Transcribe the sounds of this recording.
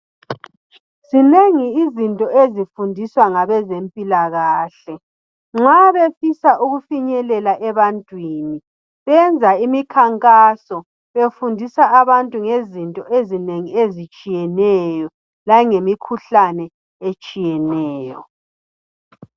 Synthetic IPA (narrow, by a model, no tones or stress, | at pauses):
zineŋiːzintʼɔezifundʱiswaŋaβɛzempʼilaɣaːɬɛ | ŋ͡ǁaβefisaʔuɣufiɲɛlɛlaʔɛβantʼwiːni | βɛnd͡zʱaimikʰaŋkʼasɔ | βefundʱisaaβantʼuŋezintʼɔʔezineŋiezit͡ʃʼijɛnɛjɔ | lajŋemikʰuɬanɛ | et͡ʃʼijɛnɛːjɔ̰